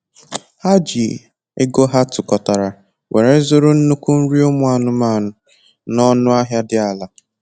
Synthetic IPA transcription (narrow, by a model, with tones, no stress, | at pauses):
ha˦d͡ʒi˨ | ɪ˦ɡo˦ɦa˦tʊ˨kɔ˨ta˨ɾa˨ | wʔe˨ɾe˨zʊ˦ɾʊ˦n̩˦nu˦kʷu˦n̩˦ɾi˦o˦mʊ˦a˨nʊ˦ma˦˨nʊ˦ | nɔ˦nʊ˦a˦ɦja˦dɪ˦a˨la˨